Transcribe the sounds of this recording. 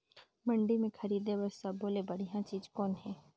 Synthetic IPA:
mɐ̃ɳɖimẽkʰɐɾiːd̪ebɐssaboːlebɐɽ̤ijãt͡ʃiːzkɔːnɦɛː

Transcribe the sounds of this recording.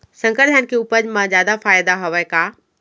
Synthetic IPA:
sɐ̃ŋkəɾd̪ʱjaːnkʰeʊpəd͡ʑmãzjaːd̪afaːjd̪aɦoʋəkaː

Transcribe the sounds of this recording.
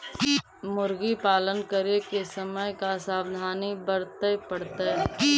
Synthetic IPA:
mʊɾɡipaːlənkəɾekesəməjkasaːbd̪ʱaːnibəɾt̪əjpəɽt̪aɦɛ

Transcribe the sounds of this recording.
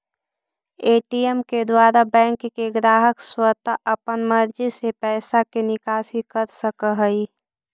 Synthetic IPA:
eːʈiemked̪waːɾabɛ̃ːŋkːeɡɾaːɦəkswət̪aʔəpənməɾd͡ʒisepɛːsakenɪkaːsikəɾsəkəɦəi

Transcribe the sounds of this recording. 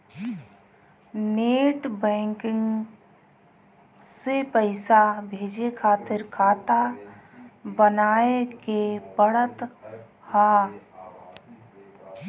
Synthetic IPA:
neːʈbɛ̃ːŋkɪ̃ŋɡ | sepəɪsabʱeːd͡ʒekʰaːt̪ɪɾkʰaːt̪a | bənaːekepəɽət̪ | ha

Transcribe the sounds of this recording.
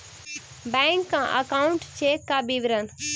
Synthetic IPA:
bɛ̃ːŋkːãːʔə̰kaːʊɳʈt͡ʃeːkːaːbiʋɾən

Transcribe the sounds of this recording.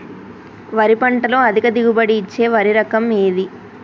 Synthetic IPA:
ʋɐɾipɐɳʈɐlo̞ːɐd̪ʱikɐd̪iɡubɐɽiːt͡ʃːe̞ːʋɐɾiɾɐkɐme̞ːd̪i

